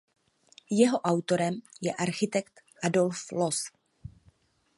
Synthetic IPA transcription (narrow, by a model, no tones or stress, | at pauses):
jɛɦo̞ʔawt̪o̞ɾɛmjɛʔaɾxɪt̪ɛkt̪ | ʔado̞lflos